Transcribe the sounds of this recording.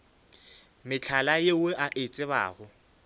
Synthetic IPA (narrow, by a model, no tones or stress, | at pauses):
mɪt͡ɬʰalajeʊʔaʔet͡sʼɪβa̰ːɣʊ